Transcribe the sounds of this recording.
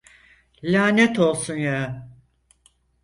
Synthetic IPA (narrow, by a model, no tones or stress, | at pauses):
lʲaːnet̪o̞lˠsunja